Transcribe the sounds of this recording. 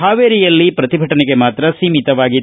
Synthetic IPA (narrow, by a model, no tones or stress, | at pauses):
ɦaːʋeːɾijɐlːipɾɐt̪ibʱɐʈɐneɡe̞maːt̪ɾɐsiːmit̪ɐʋaːɡi